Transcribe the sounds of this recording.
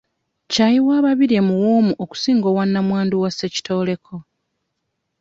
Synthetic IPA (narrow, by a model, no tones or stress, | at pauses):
cajiwaːβaβiɾemuwoːmuʔoku̥siːŋɡo̞wanːamwaːnduwaseci̥tʰo̞ːle̞kʰo̞